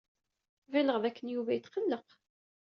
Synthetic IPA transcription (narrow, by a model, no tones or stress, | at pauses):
væləʁðækːənjuvæjət̪qəlːəq